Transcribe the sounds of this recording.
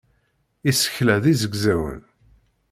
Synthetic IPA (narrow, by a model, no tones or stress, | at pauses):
isə̥çlæðizəɡzæwə̰n